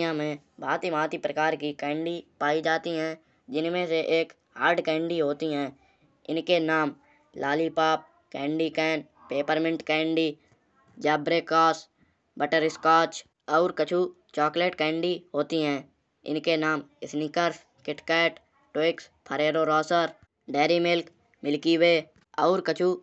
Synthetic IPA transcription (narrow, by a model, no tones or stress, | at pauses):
ãmẽ | bʱaːt̪imaːt̪ipɾəkaːɾkikɛ̃ːɳɖipaːid͡ʒaːt̪iɦɛ̃ː | d͡ʒɪnmẽseʔeːk | ɦa̰ːɾɖkɛ̃ːɳɖiɦoːt̪iɦɛ̃ː | ɪnkenaːm | laːlipaːp̚ | kɛ̃ːɳɖikɛːn | peːpəɾmɪ̃ɳʈkɛ̃ːɳɖiː | d͡ʒɛːbɾekɔːs | bəʈəɾɪskaːt͡ʃ | ɔːɾkət͡ʃʰu | t͡ʃɔːkleːʈkɛ̃ːɳɖiɦoːt̪iɦɛ̃ː | ɪ̰nkenaːmɪsnikəɾs | kɪʈkɛːʈ | ʈwɪkspʰəɾeːɾoɾɔːsəɾ | ɖɛːɾimɪlk | mɪlkiweː | ɔːɾkət͡ʃʰuː